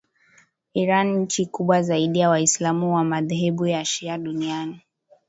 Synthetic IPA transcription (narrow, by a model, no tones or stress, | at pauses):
iɾanɲ̩t͡ʃikuɓwazaiɗijawaislamuwamaðɛhɛɓujaʃiaɗuniani